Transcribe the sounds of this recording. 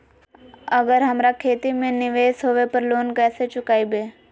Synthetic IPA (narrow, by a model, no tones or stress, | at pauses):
əɡəɾɦɐmɾakʰeːt̪imẽnɪʋeːsɦoːʋepəɾloːnkɛːset͡ʃʊkaːibeː